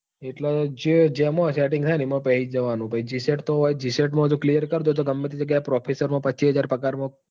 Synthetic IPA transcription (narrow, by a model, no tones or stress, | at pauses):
eʈlod͡ʒed͡ʒemõsɛʈɪŋɡt̪ʰajnemə̃pɛɦid͡ʒəʋanũbəid͡ʒiseʈt̪oɦɔjd͡ʒiseʈmãɦəd̪ũklijəɾkəɾd̪ut̪oɡəmːet̪ʰid͡ʒəɡjajpɾɔpʰesəɾmãpəːt͡ʃʰiɦəd͡ʒaɾpəkaɾmõ